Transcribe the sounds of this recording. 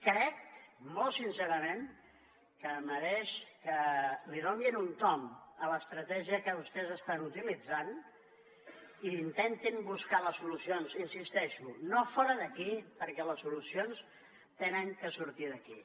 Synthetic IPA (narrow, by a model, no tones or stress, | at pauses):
kɾɛkmolˠsinseɾəmẽn | kəməɾeʃkəlirominunt̪ɔmələst̪ɾət̪ɛʒiəkəβust̪ɛzəst̪anut̪ilid͡zan | iːnt̪ent̪imbuskaləsulusionsinsist̪ɛʃunofɔɾəðəkipəɾkɛləsulusions | t̪enəŋkəsuɾt̪iðəki